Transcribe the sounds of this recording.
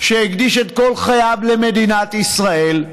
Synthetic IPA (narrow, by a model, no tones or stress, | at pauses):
ʃeiɡd̪iʃet̪ko̞lχajavle̞me̞d̪inat̪isʁae̞l